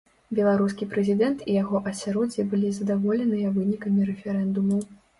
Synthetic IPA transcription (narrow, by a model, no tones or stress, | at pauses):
bʲɛlˠaɾus̬kʲipɾɛzʲid̪ɛnt̪ijaɣɔʔɐsʲaɾɔd͡zʲibɨlʲizɐd̪avɔlʲɛnɨjɐvɨnʲikɐmʲiɾɛfʲɛɾɛnd̪umɐw